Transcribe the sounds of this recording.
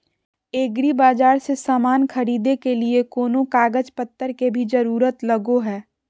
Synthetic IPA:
eːɡɾibaːd͡ʒaːɾsesaːmaːnkʰɐɾiːd̪ekeliekoːnõkaːɡəd͡ʒpət̪ːəɾkebʱid͡ʒɐɾuːɾət̪lɐɡoɦɛː

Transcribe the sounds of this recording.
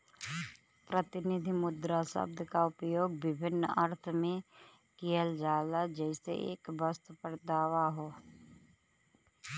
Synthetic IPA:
pɾət̪ɪnɪd̪ʱimʊd̪ɾasə̰b̚d̪ʱkaʊpjoːɡ̚bɪbʱɪnːəɾt̪ʰmẽ | kijəld͡ʒaːlad͡ʒɛːsḛḛːkbəst̪pəɾd̪aːʋaɦoː

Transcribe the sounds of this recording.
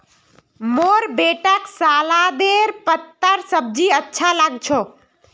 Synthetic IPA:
moːɾbeːʈəksaːlad̪eɾpət̪ːəɾsəb̚d͡ʒiətːʃʰalaɡt͡ʃʰo

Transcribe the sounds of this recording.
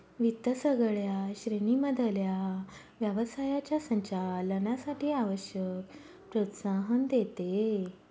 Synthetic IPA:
ʋit̪əsəɡɭjaɕɾeɳiməd̪ʱəlja | ʋjəʋəsajat͡ɕjasəɲt͡ɕalənasaʈʰiːaʋəɕjək | pɾot̪saɦənd̪et̪e

